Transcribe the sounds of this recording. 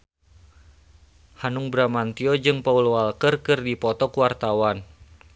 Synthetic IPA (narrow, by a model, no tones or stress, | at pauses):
hanuŋbɾamant̪iɔd͡ʒɨŋpauloalkɨrkɨrdipɔt̪ɔkuwart̪awan